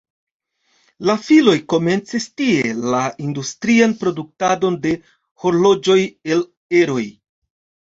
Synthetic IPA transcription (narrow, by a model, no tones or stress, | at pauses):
lafilo̞jko̞me̞nt͡sistie̞laindustɾianpɾo̞duk̚tado̞nde̞ | ho̞ɾlo̞d͡ʒo̞je̞l | eɾo̞j